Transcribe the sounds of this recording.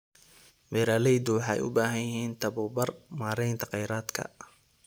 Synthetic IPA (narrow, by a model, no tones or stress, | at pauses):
wɛːɾaːlɛjd̪ʊwɑħɑɛ̰jʔʊ̰baːɦɐnjjɪɦiːnt̪ʰɐβʊːbɐrmaːɾɛjnt̪ʰɐqɛjɾaːd̪kʰɐ̰